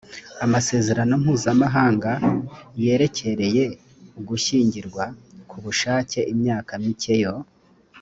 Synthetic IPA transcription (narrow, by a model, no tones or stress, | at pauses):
amase̞ːze̞ɾano̞m̥huːzamaɦaːŋɡaje̞ːɾe̞cʰe̞ɾe̞je̞ | uɡuʃiːɲɟiɾɡwakʰuβuʃaːce̞ʔimɲaːkamice̞jo̞